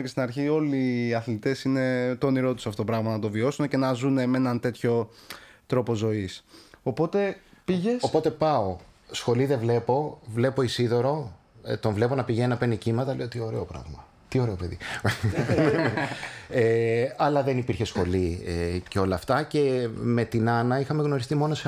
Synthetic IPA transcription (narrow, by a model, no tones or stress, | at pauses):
cest̪inɐɾçio̞liːɐθlit̪e̞sine̞t̪oniɾo̞t̪u̥sɐftot̪opɾɐɣmɐnɐt̪̬o̞vio̞sune̞ce̞nɐzune̞menɐnt̪e̞t̪ço̞t̪ɾo̞po̞zo̞isopo̞t̪e̞piʝesopo̞t̪e̞pɐo̞ | sxo̞liðevle̞po̞vle̞po̞isiðo̞ɾo̞ | t̪o̞ɱvle̞po̞nɐpiʝeninɐpe̞nicimɐt̪ɐleot̪io̞ɾe̞̰opɾɐ̰vmɐ | t̪io̞ɾe̞opeðḭ | eɐlɐðe̞nipiɾçe̞sxo̞lieceo̞lɐːft̪ɐce̞me̞t̪inɐnɐixɐme̞ɣno̞ɾist̪imo̞no̞s